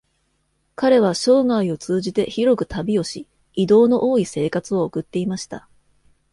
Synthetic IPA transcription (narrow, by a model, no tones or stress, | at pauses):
kaɾe̞β̞aɕo̞ːŋaio̞t͡sɨːʑit̪e̞çiɾo̞kɯ̟t̪ʰabʲio̞ɕi | id̪o̞ːno̞ʔoːise̞ːkat͡sɨo̞ːkɯ̟t̪ːe̞imaɕi̥t̪a